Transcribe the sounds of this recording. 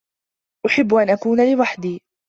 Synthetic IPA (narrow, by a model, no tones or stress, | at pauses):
ʔʊħɪbːʔanʔakuːnalɪwaħd̪iː